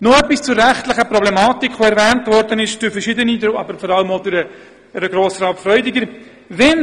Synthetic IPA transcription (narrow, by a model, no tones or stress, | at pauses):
noœpist͡sʊɾːæχtlɪχəpɾɔblɛmɑːtikʰʋoɛɾvɛːntvɔɾdənɪʃd̥ʊɾfəɾʃɪdənid̪ɾʔɑbəɾfɔɾɑləmodʊɾə | ɾəɡɾoːsəɾɑpfɾœʏdɪɡəɾ | vɛn